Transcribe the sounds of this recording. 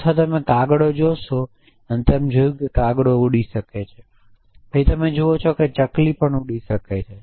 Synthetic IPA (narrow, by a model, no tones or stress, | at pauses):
t̪ʰat̪əmekaɡɽod͡ʒoʃo | ənt̪emd͡ʒojũkekaɡɽouɽiʃəket͡ʃʰe | b̥ʱəit̪əmed͡ʒoʋot͡ʃʰoket͡ʃəklipəɳuɽiʃəket͡ʃʰe